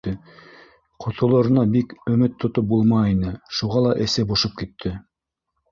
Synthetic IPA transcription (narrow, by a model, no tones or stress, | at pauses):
ɘ | qʰŏt̪ŏlˠŏɾɤ̆nɑbikɵ̆mɘt̪ʰːŏt̪op̚bulˠmɑinɘʃuʁɑlˠɑʔɘ̆sæbŏʃɤp̚kit̪ʰːɘ